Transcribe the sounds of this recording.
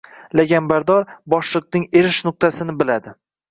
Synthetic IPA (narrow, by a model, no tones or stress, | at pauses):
laɡʲambaɾd̪ɒɾbɒʃlˠɨq̚nɪŋe̞ɾɪʃnʊq̚t̪ʰasɪnɪbɪlad̪ɪ